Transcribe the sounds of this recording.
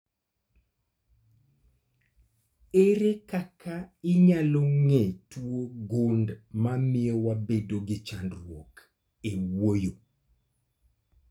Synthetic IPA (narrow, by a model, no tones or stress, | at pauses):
eɾekakaɪɲaloŋetwoɡondmamɪɔwabedoɡɪt͡ʃandɾwok | ewojo